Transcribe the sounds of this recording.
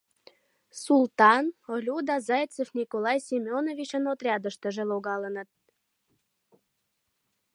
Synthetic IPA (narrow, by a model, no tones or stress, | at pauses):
sult̪ɑnolʲud̪ɑzɑjt͡səfnʲikolɑjsʲimʲeonovit͡ɕənot̪rʲɑd̪əʃt̪ə̆ʒeloɣɑlənə̆t̪̚